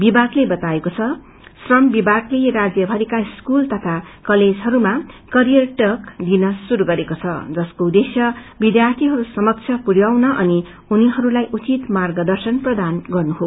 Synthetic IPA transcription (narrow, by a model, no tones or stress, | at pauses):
bibaɡlebʌt̪aekot͡sʰʌ | srʌmbibaklerad͡zjʌbʱʌɾikaiskult̪ʌt̪ʰakʌled͡zɦʌɾumakʌɾijʌrʈʌkd̪inʌsuɾuɡʌɾekot͡sʰʌ̰d͡zʌskoud̪esjʌbid̪jart̪ʰiɦʌɾusʌmʌk̚t͡sʰjʌpuɾjawnʌʔʌni | uniɦʌɾulajʔut͡sit̪marɡʌd̪ʌrsʌnprʌd̪anɡʌrnuɦo